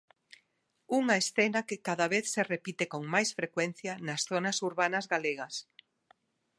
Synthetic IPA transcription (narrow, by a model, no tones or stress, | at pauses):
uŋaesθenakɪkaðaβ̞eθserepit̪ekoŋmajsfɾekwɛn̟θjanɐsθonɐsuɾβanɐzɣaleɣɐs